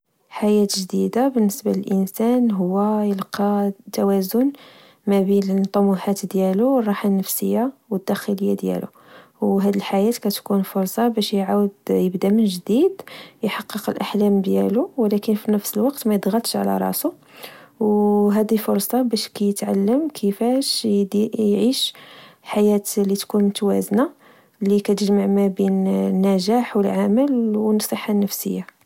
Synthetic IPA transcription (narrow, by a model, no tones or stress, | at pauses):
ħajæt̪ʒd̪id̪abənːəsbaləlʔənsænɦʊwːæjəlqɑt̪ːæwæzʊn | mæbinət̪ˤːɑmuħat̪d̪jæluwrˤːɑħanːəfsəjːawəd̪ːæxələjːad̪jæ̰lṵ | wɦæd̪əlħajæt̪kæt̪kunfʊɾˤsˤɑbæʃjʕawəd̪jəbd̪amənʒd̪id̪jħɑqːəqəlʔaħlæmd̪jæluwlækənfinəfsəlwɑqt̪mæjəd̪ˤɣəlt̪ʃʕ̰læ̰ɾˤɑ̰su | wɦæd̪ifʊɾˤsˤɑbæʃkæjət̪ʕa̰lːəmkʰəfæʃ | jʕiʃħajæt̪lit̪kunt̪wæ̰zna | likæt̪əʒmaʕmæbinnːæʒæħwəlʕaməlwənsˤəħːanːəfsə̰jːa